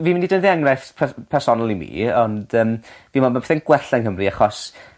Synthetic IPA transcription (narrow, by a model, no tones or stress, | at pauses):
viːmɪndidənðiaŋrajθpʰɛpʰɛrsɔnalˠimḭːɔnd̥əːmviːmɔnmapɛθɛnɡwɛɬɛnɦəmriaχɔs